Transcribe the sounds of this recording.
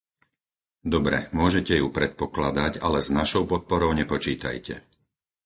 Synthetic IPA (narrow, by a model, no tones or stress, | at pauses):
d̪ɔbɾɛ̰mʊɔʒɛcɛjupɾɛt̪̚pɔklad̪acalɛznaʃɔʊpɔt̪̚pɔɾɔʊɲɛpɔt͡ʃiːt̪a̰jcɛ̰